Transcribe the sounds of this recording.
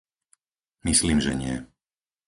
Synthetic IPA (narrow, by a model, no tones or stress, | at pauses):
misliːmʒɛ̰ɲɪɛ